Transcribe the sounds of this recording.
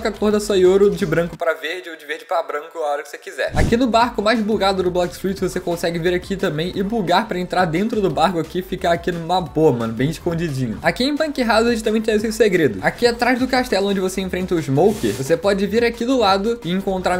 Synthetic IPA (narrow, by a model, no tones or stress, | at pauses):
kɐkohd̪ɐsojoɾod͡ʒɪbɾɐ̃kʊpɾɐveɾd͡ʒɪod͡ʒɪveɾd͡ʒɪpabɾɐ̃ŋkʊaɔɾɐkɪ̥sekizɛ̰akinʊbaɾkʊmajzbuɡad̪ʊd̪ʊblɔkst̪ɾit͡ʃɪvosekõsɛɡɪveɾakʰit̪ɐ̃mbẽj̃ʔɪbuɡaɾpɾɐẽnt̪ɾaɾd̪ẽnt̪ɾʊd̪ʊbaɾkʊakifikaakinʊmɐboɐmɐ̃nʊbẽj̃ɪʃkõd͡ʒid͡ʒĩɲʊakĩẽpɐ̃kiɦazʊʃit̪ɐ̃mẽnt͡ʃɪẽs̬ewseɡɾed̪ʊakiat̪ɾajzd̪ʊkaʃt̪ɛlʊõnd͡ʒɪvoseẽfɾẽnt̪ɐʊɪzmowkeɾvosepɔd͡ʒɪviɾakid̪ʊlad̪ʊɪẽŋkõnt̪ɾaɾ